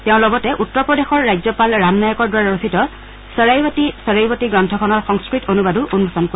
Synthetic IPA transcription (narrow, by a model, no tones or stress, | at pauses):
tɛʊ̃lɔɡɔtɛʔutːɔɹpɹɔdexɔɹːajzɔpalɹamnajɔkɔɹdwaaɹositɔ | səɹajbatisəɹajbɔtiɡɹɔntʰɔkʰɔnɔɹxɔŋskɹitonubaduʔunbʱɔsɔnko